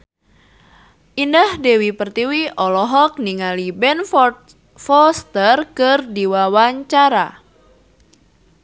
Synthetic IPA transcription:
ʔindəhdɛwipərt̪iwiʔɔlɔɦɔk̚niŋalibɛnfɔ | fɔst̪ərkɨrdiwawaɲt͡ʃaɾa

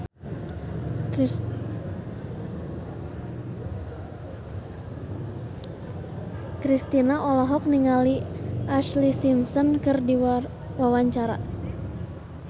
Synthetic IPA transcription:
kɾist̪inaʔɔlɔɦɔk̚niŋaliʔaslisimsɔnkɨrdi | wawaɲt͡ʃaɾa̰

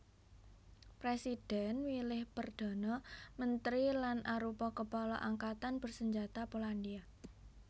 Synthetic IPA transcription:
pɾesid̥ɛnwilɪhpərd̪̥ɔ̤nɔmənt̪ɾilanʔaɾupɔkəpalɔ̰ʔaŋkat̪anb̥ərsəɲd͡ʒat̪apolandia

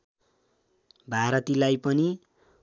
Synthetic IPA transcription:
bʱaɾʌt̪ilajpʌni

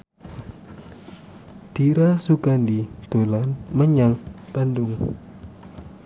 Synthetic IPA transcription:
d̥iɾasukandit̪olanməɲaŋb̪̥andʊŋ

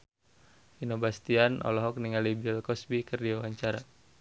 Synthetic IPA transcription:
inobast̪ianʔɔ̰lɔɦɔk̚niŋalibilkɔsbikərdiawaɲt͡ʃaɾa

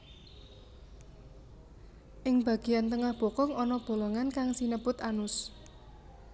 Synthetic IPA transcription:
ʔɪŋb̥a̤ɡ̥i̤jant̪əŋahb̥o̤kɔŋɔnɔb̥o̤lɔŋankaŋsinəbʊt̪anʊs

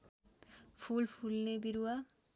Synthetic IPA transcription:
pʰulpʰulnebiɾuwa

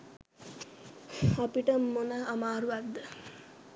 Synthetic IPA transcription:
apiʈəmːonəːmaːɾuʋat̪d̪ə

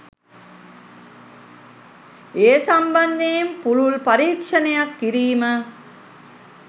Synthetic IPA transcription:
eːsɐmbɐnd̪ejmpuluɭpɐɾiːkʂɐnejɐkːiɾiːmə

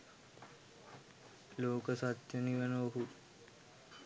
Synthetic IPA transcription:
loːkəsat̪jəniʋənəoɦu

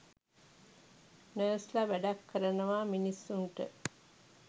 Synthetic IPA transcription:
nəːslaʋæɖɐkːəɾɐnuʋaːminisːuɳʈə

